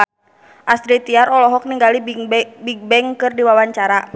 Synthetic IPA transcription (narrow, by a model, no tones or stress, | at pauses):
ʔast̪ɾit̪iaɾɔlɔɦɔk̚niŋɡalibiɡ̚bɛŋkɨrdiwawaɲt͡ʃaɾa